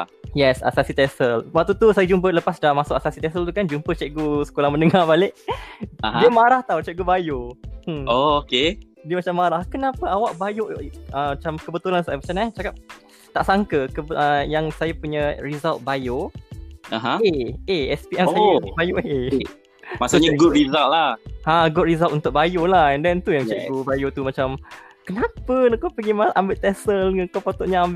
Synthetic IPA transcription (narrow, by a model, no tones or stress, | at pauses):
jɛsa̰sasit̪ɛsəlwaʔ̚t̪ut̪usajad͡ʒump̬ələpasdamasʊkʔasasit̪ɛsəlt̪ukand͡ʒumpət͡ʃɛʔɡusə̥kolahmə̃nəŋarbalɪʔaɦdiəmaɾaht̪auwt͡ʃɛɡubajoəoke | diəmat͡ʃamːaɾahkənapəawaʔbajoʔʔəmat͡ʃamkəbət̪ulansamat͡ʃanaht͡ʃakap̚ | t̪aʔsaŋkəkəʔəjaŋsajapuɲəɹizalt̪̚bajo | aɦãeeɛspiʔɛsajabajoʔe | masaɲaɡutɾizallahãɡɔʔ̪̚ɾizalt̪unt̪ʊʔ̚bajolahɛndɛnt̪ujaŋt͡ʃɛkubajot̪umat͡ʃamkənapənakopəɡimaʔambɪʔt̪ɛsəlŋəkopot̪uʔɲaamb